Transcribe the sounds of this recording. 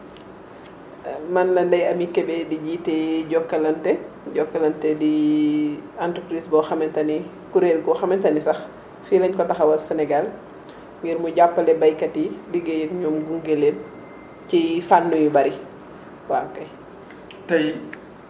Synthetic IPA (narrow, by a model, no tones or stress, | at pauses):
mɐnlɐndɐjɐmikɛbɛdiɟitɛɟɔkːɐlɐntɛ | ɟɔkːɐlɐntɛdi | antukɾisbɔxɐmɛntɐni | kuɾelɡɔxɐmɛntɐnisɐx | filɐɲkɔtɐxɐwɐlsɛnɛɡal | ŋɡɛɾmuɟapːɐlɛbɐjkɐtiliɡejɛkɲɔmɡuŋɡelen | cifanːujubɐɾi | wakɐj | tɐj